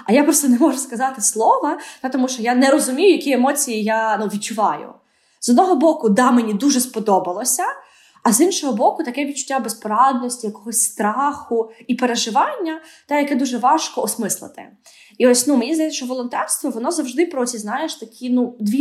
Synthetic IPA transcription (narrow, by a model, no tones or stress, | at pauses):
ɐjapɾɔst̪ɛnɛmɔʒʊskɐzɑt̪ɪslˠɔʋɐt̪ɑt̪ɔmuʃt͡ʃɔjanɛɾɔzʊmʲijʊjɐkʲiemɔt͡sʲijijanuʋʲid̪̚t͡ʃʊʋɑjʊ̰ | zɔd̪nɔɦɔbɔkʊd̪ɑmenʲid̪uʒɛspɔd̪ɔbɐlˠɔsʲɐː | zinʃɔɦɔbɔkʊt̪ɐkɛʋʲid̪̚t͡ʃʊ̥tʲːabespɔɾɑd̪nɔsʲtʲijɐkɔɦɔsʲst̪ɾɑxʊipeɾeʒɪʋɑnʲːɐ | t̪ɛjɐkɛd̪uʒɛʋɑʃkɔɔsmɪslˠɪ̰t̪ɪ̰ | iɔsʲnumenʲizd̪ɐjt͡sʲːɐʃt͡ʃɔʋɔlˠɔnt̪ɛrst̪ʋɔʋɔnɔzɐwʒd̪ɪpɾɔsʲiznɑjeʃt̪ɐkʲʰinud̪ʋʲi